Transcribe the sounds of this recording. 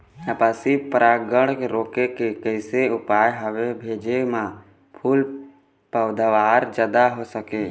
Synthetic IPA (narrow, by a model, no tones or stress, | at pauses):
əpaːsipɾaːɡəɽ̃keɾoːkekekəɪseʊpaːjɦəʋebʱeːd͡ʒemã | pʰuːl | pəʊd̪aʋaːɾd͡ʒaːd̪aɦosəkeː